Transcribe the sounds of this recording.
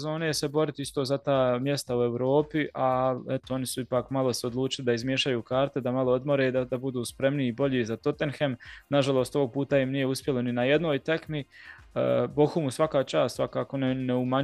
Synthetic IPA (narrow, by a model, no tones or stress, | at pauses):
zo̞ːnejese̞bo̞ɾit̪iist̪ozat̪aːmje̞st̪aue̞wɾo̞ːpiʔaɛt̪oo̞nisuipaːkmalo̞seod̪lˠuːt͡ʃilid̪aizmjeʃajuːkaːɾt̪e̞d̪amalˠo̞od̪moɾed̪ad̪abud̪uːspɾemniibo̞ʎizat̪o̞t̪e̞nxemnaʒalˠo̞ːst̪o̞ʋo̞ɡ̚puːt̪aimnije̞uspʲjeloninaje̞d̪no̞ːjt̪ekmḭ | bo̞xumusʋakaːt͡ʃaːst̪sʋakaːko̞neneumaɲ